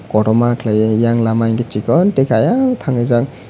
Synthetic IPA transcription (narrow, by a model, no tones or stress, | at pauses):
kɔɾɔmakʰlajijaŋlamajŋɡet͡ʃikɔntekajaŋt̪ʰaŋɯjzaŋ